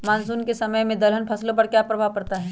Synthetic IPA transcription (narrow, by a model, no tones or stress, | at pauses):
maːnsuːnkesɐməjmẽd̪ɐlənpʰɐslõpɐɾkjaːpɾɐbʱaʋpɐɾt̪aɦɛː